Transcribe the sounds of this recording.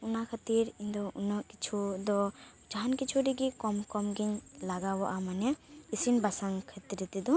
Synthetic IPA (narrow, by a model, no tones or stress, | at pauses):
unakʰat̪iɾind̪ɔʔunɔkit͡ʃʰud̪ɔ | d͡ʒankit͡ʃʰuɾiɡikɔmkɔmɡiɲlaɡawɔʔamanɛisinbasaŋkʰɐt̪iɾit̪id̪ɔ